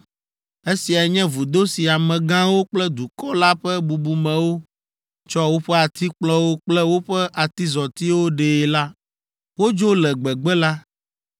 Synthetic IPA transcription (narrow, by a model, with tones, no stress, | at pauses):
e˦si˨a˨ɛ˨ɲɛ̃˦vu˨d̪o˦si˨a˨mɛ̃˨ɡã˦wo˦k͡plɛ˦d̪u˨kɔ˦la˦ɸɛ˦bu˨bu˨mɛ̃˨wo˦ | t͡ʃɔ˦wo˦ɸɛ˦a˨t̪i˦k͡plɔ˦wo˦k͡plɛ˦wo˦ɸɛ˦ʔa˨t̪i˦zɔ˨t̪i˦wo˦ɖe˨la˦ | wo˦d͡ʒo˦lɛ˨ɡ͡bɛ˨ɡ͡bɛ˦la˦